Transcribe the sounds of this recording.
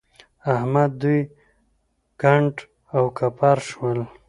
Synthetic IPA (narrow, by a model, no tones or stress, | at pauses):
ahmad̪̚ːuj | kaɳʈ | awkapaɾʃwəl